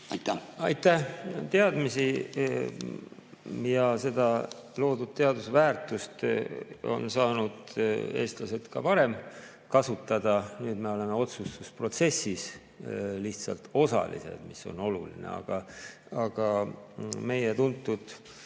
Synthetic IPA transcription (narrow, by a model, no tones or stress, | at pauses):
t̪ɑjt̪ːæht̪eɑd̪misi | jɑse̞d̪ɑlo̞ːd̪ud̪̥̚t̪eɑd̪usvæːrt̪ːˑust̪ | o̞̰nsɑːnud̪̥e̞̰ːst̪lɑse̞lt̪kɑpɑɾe̞m | kɑsut̪ːˑɑd̪̥ɑnyːd̪me̞o̞le̞me̞o̞t̪sust̪uspro̞t̪se̞sːis | liht̪sɑ̰lt̪o̞sɑ̰lḭse̞̰d̪̥miso̞̰no̞lulḭnḛɑ̰ɡ̥ɑ | ɑɡ̥ɑ | me̞jet̪unt̪ˑːud̪̥